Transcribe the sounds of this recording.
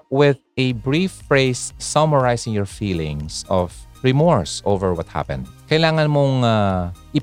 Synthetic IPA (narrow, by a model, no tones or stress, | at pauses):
wɪð | ɛbɹifːɹeɪsːɔməɹajsɪ̃ŋjɔɹfiːlɪ̃ŋsɔvɹɪmɔɹso̰wvɛɹwɐt̪̚ha̰pɛ̰̃nd̪̚kɐjlaːŋɐnmoŋaʔɪ